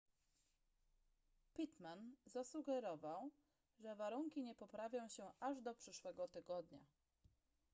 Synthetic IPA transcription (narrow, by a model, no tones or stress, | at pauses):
pʲit̪manzasuɡɛɾɔvaw | ʐɛvaɾuŋkʲiɲɛpɔpɾavʲjɔ̃w̃ɕɛaʐd̪ɔpʂɘʂwɛɡɔt̪ɘɡɔd̪ɲa̰